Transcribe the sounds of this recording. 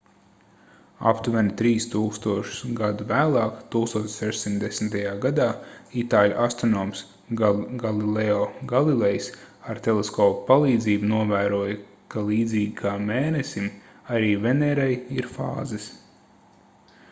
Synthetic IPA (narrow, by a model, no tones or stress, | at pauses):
a̰pt̪uvɛnt̪ɾiːst̪uːkst̪uɔʃu̥sɡad̪uvæːlˠɑːkt̪uːkst̪uɔt̪sʲsɛʒsʲimd̪esmt̪ajaːɡad̪aːit̪aːlʲuʔast̪ɾɔnɔːms | ɡalilɛɔɡalˠilɛjsaɾt̪elˠeskɔːppalˠiːd̪ziːbunuɔvæːɾuɔj | kalˠiːd̪ziːɡʲikʰaːmeːnesimaɾiːvɛnɛɾajiɾfa̰ːzɨs